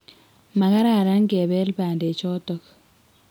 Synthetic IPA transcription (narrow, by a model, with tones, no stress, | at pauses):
ma˨ka˦ɾa˨ɾa˦ŋ˦ɡɛ˨bɛ˦lba˨nde˨t͡ʃɔ˦tɔ˦k